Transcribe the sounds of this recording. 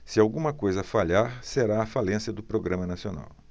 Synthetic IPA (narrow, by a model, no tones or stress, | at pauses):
sɪawɡũmɐkojzɐfaʎaɾseɾaɐfalẽsjɐd̪ʊpɾoɡɾɐ̃mɐnasiona̰w